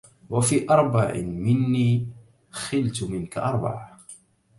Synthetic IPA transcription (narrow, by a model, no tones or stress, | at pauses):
wafiːʔɑɾˤbaʕ̰mɪnːiː | xɪlt̪mɪnkaʔɑɾˤbɑ̰ʕ